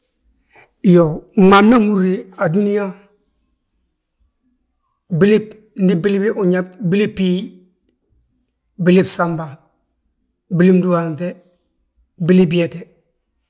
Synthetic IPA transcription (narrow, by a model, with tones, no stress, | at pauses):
jo˨ŋa˨mna˦ŋu˦ɾi˦a˨du˦ni˦ja˦ | bi˦le˦p̚ | n̩˦di˦bi˦li˦bi˦ʔʊ˨ɲa˦p̚bi˦le˦pːi˦ | bi˦le˦bsa˦mba˨ | bi˦li˦mdu˦wa˨ntɛ˦ | bi˦le˦b̬je˨tɛ˨